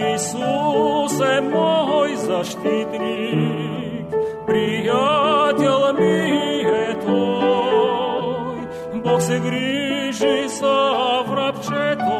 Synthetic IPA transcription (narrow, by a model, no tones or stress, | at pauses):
isusɛmɔɦɔjzɐʂt̪ʲit̪nʲi | kpɾʲijat̪ʲɛlˠmʲiɦɛt̪o | j | boxsɛɡɾʲiʐɨsavɾapt͡ʃɛt̪